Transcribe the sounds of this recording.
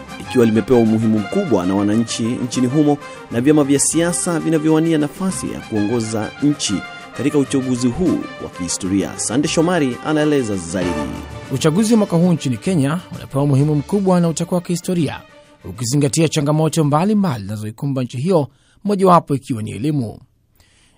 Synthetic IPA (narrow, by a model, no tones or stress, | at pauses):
ikiwalimɛpɛwaumuɦimum̩kuɓwa̰nawanaɲ̩t͡ʃiɲ̩t͡ʃiniɦumɔ | navjamavjasiasavinavjɔwanianafasḭja̰kuɔŋɡɔza̰ɲ̩t͡ʃi | katikaut͡ʃaɠuziɦuːwa̰kihistɔɾia̰sandɛʃɔmaɾia̰naɛlɛzazaiɗḭut͡ʃaɠuziwamwakahuːɲt͡ʃinikɛɲaṵna̰pɛwaumuhimum̩kuɓwanautakawakihistɔɾia̰ | ukiziŋɡatiat͡ʃaŋɡamɔtɔmbalimbaliznazɔikumbaɲ̩t͡ʃiɦijɔ | mɔʄawapɔikiwanḭɛ̰limṵ